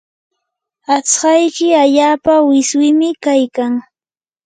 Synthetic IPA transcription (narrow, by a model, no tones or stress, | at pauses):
at͡shɑjkɪaʎaːpawɪswɪmɪkajkaŋ